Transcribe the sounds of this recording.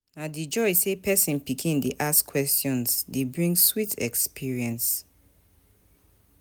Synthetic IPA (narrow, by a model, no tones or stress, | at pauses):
nadid͡ʒɔjsepʰɛsĩnpikʰĩndeʔaskʰwɛstjɔ̃nsdebɹĩŋɡswitʰɛkspʰiɹiɛ̃ns